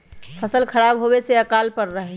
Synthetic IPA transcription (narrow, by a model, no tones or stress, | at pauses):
pʰəsəlkʰəɾabɦobeseəkalpəɾːəɦɛ